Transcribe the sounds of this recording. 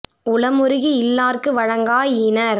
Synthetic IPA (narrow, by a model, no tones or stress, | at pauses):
ʊlɐmʊɾɯɣiɪlːaːrkɯʋɐɻɐŋɡaːjɪnɐɾ